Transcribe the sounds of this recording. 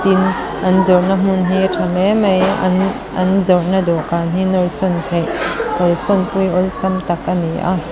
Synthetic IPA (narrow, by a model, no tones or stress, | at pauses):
t̪in | ʔɐnzɔrnam̥ʊnɦitʰɐlemej̰n | ʔɐnzɔrʔnadɔʔkaːnɦinɔlsɔnt̪ʰejʔkɔlsɔnpujɔlsɐmt̪ɐkːɐniʔa̰